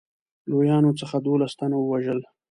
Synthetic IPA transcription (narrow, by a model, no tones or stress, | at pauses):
lojɑnot͡səxad̪olast̪anawəwaʒəl